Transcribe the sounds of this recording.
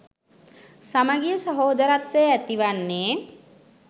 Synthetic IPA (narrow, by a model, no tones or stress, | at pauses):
saməɡijəsəɦoːd̪əɾat̪ʋejəæt̪iʋanːeː